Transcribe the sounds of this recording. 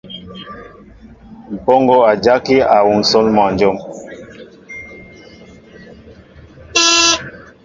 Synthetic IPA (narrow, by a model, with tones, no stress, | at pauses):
m̩˨pɔ˦ŋɡo˦a˨d͡ʒa˦ki˦a˨wu˨ŋ˨sɔ˦lmɔ˨n˨d͡ʒɔ˦m